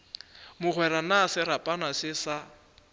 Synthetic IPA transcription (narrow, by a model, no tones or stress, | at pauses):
mʊχwɛɾanasɪɾapʼanasɪsa